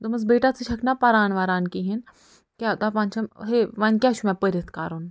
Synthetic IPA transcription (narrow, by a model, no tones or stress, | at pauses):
d̪ɐmɐzbeːʈat͡sʰɨt͡ʃʰɐkʰnapɐɾaːnʋaːɾaːnkiɦin | kʲaːt̪aːpãːnt͡ʃʰɐmɦeːʋaːnkʲaːt͡ʃʰumɛ̃pəɾɐt̪ʰkaːɾun